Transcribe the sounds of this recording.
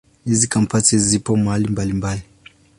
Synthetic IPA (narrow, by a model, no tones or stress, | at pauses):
hizikampatizipɔmaalimbalimbali